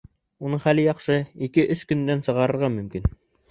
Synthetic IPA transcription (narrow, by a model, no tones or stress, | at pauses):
unɤɴχælɘjɑχʃɤikɘʔɵskɵ̆nd̪ænsɤ̆ʁɑɾɤ̆ɾʁɑmɵ̆mkin